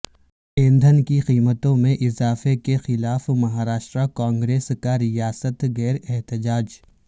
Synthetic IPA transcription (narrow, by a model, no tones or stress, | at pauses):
ẽːnd̪ʱənkiqiːmət̪õmẽʔɪzaːfekexɪlaːfmɐɦaːɾaːʃʈɾakãːŋɡɾeːskaɾɪjaːsət̪ɣɛːɾɛɦt̪ɪd͡ʒaːd͡ʒ